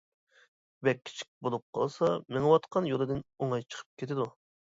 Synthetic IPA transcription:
bɛkʲːʰi̥t͡ʃʰi̥k̚ʲbolˠup̚qʰɑ̰lˠsɑmɪŋɨwɑt̪qʰɑnjolˠɨd̪ɪnoŋɑjt͡ʃʰə̥qʰə̥p̚kʲʰet̪ɪd̪u

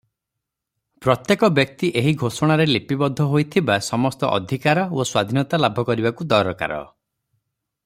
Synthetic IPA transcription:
pɾɔt̪jekɔbjɔk̚t̪iʔeɦiɡʱosɔɽ̃aɾelepibɔd̪ʱːɔɦojt̪ʰibasɔmɔst̪ɔʔɔ̰d̪ʱikaɾɔoswad̪ʱinɔt̪alabʱɔkɔɾibakud̪ɔɾɔka̰ɾɔ̰

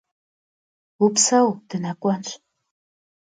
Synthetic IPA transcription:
upsawd̥ɨnakʷʼanɕ

